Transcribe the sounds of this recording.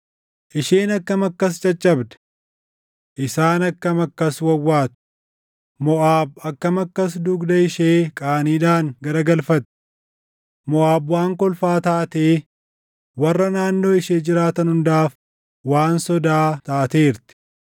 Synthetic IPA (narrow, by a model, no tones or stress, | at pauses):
ʔɪʃeːnɐkːɐmɐkːɐs̬t͡ʃʼɐt͡ʃʼːɐbd̪ɐ̥ | ʔɪsaːnɐkːɐmɐkːɐswɐwːaːt̪ʊ̥ | mɔʔaːbɐkːɐmɐkːɐs̬d̪ʊɡd̪ɐɪʃeːkʼaːniːᶑaːŋɡɐɾɐɡɐlfɐt̪ɪ̥ | mɔʔaːbwaːŋkɔlfaːt̪aːt̪eː | wɐrːɐnaːnːo̞ːɪʃeːd͡ʒɪɾaːt̪ɐnhʊnd̪aːf | waːnsɔd̪aːt̪aːt̪eːɾt̪ɪ̥